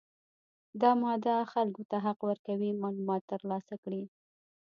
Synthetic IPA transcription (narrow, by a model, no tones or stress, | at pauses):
d̪ɑmɑd̪axalkot̪aɦaqwəɾkawimɑlumɑt̪ːəɾlɑsakɽi